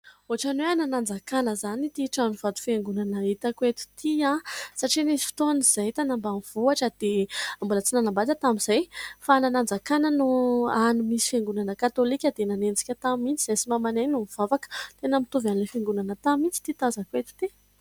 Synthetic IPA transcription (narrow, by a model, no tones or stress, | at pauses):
oɦaʈ͡ʂanweananand͡zakanəzanit̪iʈ͡ʂaniv̥ad̪u̥feŋɡunanəit̪akwet̪u̥t̪ʰiãsaʈ͡ʂinesi̥fi̥t̪oaniz̥ajt̪anambamiv̥uaʈ͡ʂəd̪̥embulət͡sinanambat̪ət̪amiz̥ajfananand͡zakanənuanimisi̥feŋɡunanəkat̪olikʲəd̪enanend͡zi̥kʲət̪amint͡sizasimamaneɲinumiv̥avakə̥t̪enəmit̪uvanilefeŋɡunanət̪amint͡si̥t̪it̪azakwet̪i̥t̪e